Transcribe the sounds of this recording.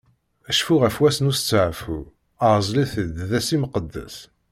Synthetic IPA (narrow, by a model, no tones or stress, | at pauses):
æʃfuʁæfwæsnust͡sːəʕfu | əɾzˤliθəd̪ðæsiməqəd̪ːə̰s